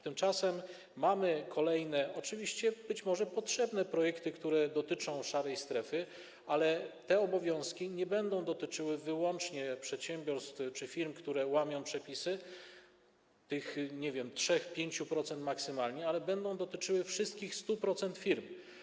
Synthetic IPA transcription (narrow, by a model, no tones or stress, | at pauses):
t̪ɘmt͡ʂasɛmː | amɘkʰɔlɛjnɛɔt͡ʂɘvʲiɕt͡ɕɛbɘt͡ɕmɔʐɛpɔtʂɛbnɛpɾɔjɛkt̪ɘkt̪uɾɛd̪ɔt̪ɘt͡ʂɔ̃w̃ʂaɾɛjst̪ɾɛfɘ | alɛt̪ɛɔbɔvʲjɔ̃w̃skʲiɲɛbɛnd̪ɔ̃w̃d̪ɔt̪ɘt͡ʂɘwɘvɘwɔnt͡ʂɲɛpʂɛt̪ɕɛmʲbʲjɔɾst̪ft͡ʂɘfʲiɾmkt̪uɾɛwamʲjɔ̃w̃pʂɛpʲisɘ | t̪ɘxɲɛvʲjɛmtʂɛxpʲjeɲt͡ɕupɾɔt̪sɛnt̪maksɘmalɲɛalɛbɛnd̪ɔ̃w̃d̪ɔt̪ɘt͡ʂɘwɘfʂɘst̪̚kʲixst̪upɾɔt̪sɛnt̪fʲiɾm